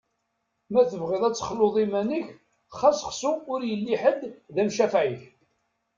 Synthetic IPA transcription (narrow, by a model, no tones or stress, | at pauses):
mæθəvʁɪðˤæt͡sːə̥χloðˤimænəç | χæsχsuʊɾjəlːiħəd̪ːðæmʃæfʕiç